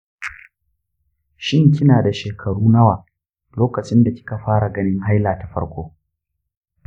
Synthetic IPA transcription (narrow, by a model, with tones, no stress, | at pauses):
ʃɪ˦ŋk̬ʲɪ˦naː˨da˨ʃeː˨kʰɐ˨ɽuː˦nɐ˦waː˨ | loː˦kɐ˨t͡ʃɪ˦nda˨kʲɪ̥˦ka˨ɸaː˦ɽa˨ɡɐ˦nɪ˦ŋɦa˦jlaː˨ta˨ɸɐ̰˦ɽkʷoː˦